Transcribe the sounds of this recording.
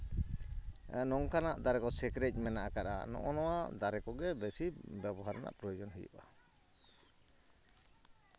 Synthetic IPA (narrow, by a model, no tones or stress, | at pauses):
nɔŋkanaʔd̪aɾɛkɔsɛkɾɛc̚ˀmɛnaʔakaɾa̰nɔ̰ʔɔnɔwad̪aɾɛkɔɡɛbɛsibɛbɔɦaɾna̰ʔpɾɔjɔd͡ʒɔnɦɛjṵʔa